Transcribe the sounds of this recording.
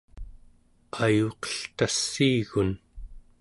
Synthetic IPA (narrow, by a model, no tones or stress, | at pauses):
qʰɑjuqʌ̥ɬt̪asːiːɣun